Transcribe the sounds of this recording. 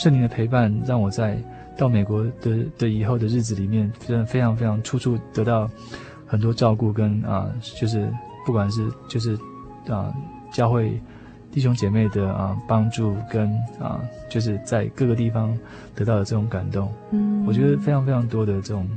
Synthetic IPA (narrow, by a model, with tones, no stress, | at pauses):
ʂə˥˩ŋli˧˥ŋd̪ə˨pʰe˧˥ɪpa˥˧nɻɑ˥˩ŋwɔ˨˩t͡sa˥˧ɪ | t̪ɑ˥˩ʊme˨˩ɪkwɔ˧˥d̪̥ə˨d̪̥ə˨˩i˨˩xo˥˩ʊd̪ə˩ɻ̩˥˩t͡sɹ̩˨˩li˨˩mjɛ˥˩n˥ə˧˩fe˥ɪʈ͡ʂʰɑ˧˥ŋfe˥ɪʈ͡ʂʰɑ˧˥ŋʈ͡ʂʰu˥ʈ͡ʂʰu˥˩t̪ɤ˧˥t̪ɑ˥˩ʊ | xə˨˩nt̪wɔ˥ʈ͡ʂɑ˥˧ʊku˥˩kə˦˥nə̰˧t͡ɕjo˥˧ʊʂ̬ɻ̩˥˧ | pu˥˩kwa˨˩nʂ̬ɻ̩˥˧t͡ɕjo˥˧ʊʂ̬ɻ̩˥˩ | ə̰˩ | t͡ɕjɑ˥˧ʊxwe˥˩ɪ | t̪i˥˩ɕ̬o˥ŋt͡ɕjɛ˨˩me˥˩ɪd̪ə˩ə˩pɑ˥ŋʈ͡ʂu˥˩kə˦˥nə̰˨˩t͡ɕjo˥˧ʊʂ̬ɻ̩˥˧t͡sa˥˧ɪkɤ˥˩ɡə˩t̪i˥˩fɑ˦ŋ | t̪ɤ˧˥t̪ɑ˥˩ʊd̪ə˩ʈ͡ʂɤ˥˩ʈ͡ʂʊ˧˥ŋka˨˩nt̪o˥˩ŋwɔ˨˩t͡ɕɥɛ˧˥d̪ə˧fe˥ɪʈ͡ʂʰɑ˧˥ŋfe˥ɪʈ͡ʂʰɑ˧˥ŋt̪wɔ˥d̪ə˨ʈ͡ʂɤ˥˩ʈ͡ʂʊ˨˩ŋ